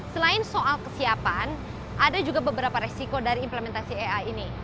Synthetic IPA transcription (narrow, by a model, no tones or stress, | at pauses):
səlaɪnsoʔalkəsiapan | ʔadad͡ʒuɡabəbəɾapaɾesikodaɾiːmpləmɛnt̪asieaini